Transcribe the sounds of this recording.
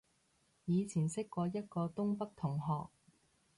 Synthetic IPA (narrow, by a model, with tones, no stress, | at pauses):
jiː˨˧t͡sʰiː˨˩nsɪ˥kːɔː˧jɐ˥t̚kɔː˧t̪ʊ˥ŋpɐ˥k̚t̪ʰʊ˨˩ŋɦɔː˨k̚